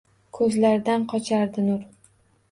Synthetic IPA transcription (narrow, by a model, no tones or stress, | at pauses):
kʰɵzlaɾd̪anqʰɒt͡ʃʰaɾd̪ɪnʊɾ